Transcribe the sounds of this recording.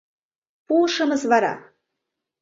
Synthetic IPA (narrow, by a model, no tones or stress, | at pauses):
puʃɤ̆mɤzvɑɾɑ̰